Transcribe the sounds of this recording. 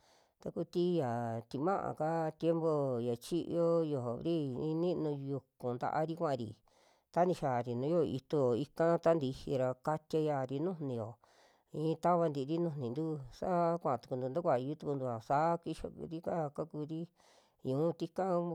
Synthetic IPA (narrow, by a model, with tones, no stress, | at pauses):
t̪a˧ku˧t̪i˦ja˨t̪i˧mã˦ʔã̰˨ka˦t̪je˦mbo˧ja˨t͡ʃi˦ʔo˦jo˧˨ɦo˨βɾi˦ĩ˧nĩ˦˧nũ˧ju˧kũ˨nd̪a̰˧ʔa˧ɾi˦kʷã˦ʔã˧ɾḭ˨ | t̪a˦nĩ˧ʃa˨ɾi˨nũ˨˦jo˦˧ḭ˧t̪o˧jo˨i˧kã˦t̪a˦nd̪i˧hi˧ɾa˧ka˧t̪ʲa˧ja˧˨ɾi˧nũ˦nĩ˧jo˨ | ĩː˧˦˧t̪a˦βa˧nd̪i˧˨˧ɾi˦nũ˧nĩ˨nd̪u˦sa˦kʷã˧˨˧t̪u̥˧ku˧d̪u˧nd̪a˦kʷa˧˨i˧u˦t̪u˧ku˧d̪u˧a˨sa˦ki˧ʃo̰˧ɾi˦ka˦ka˦ku˧ɾi˦ | ɲũ˨˦t̪i˦kã˦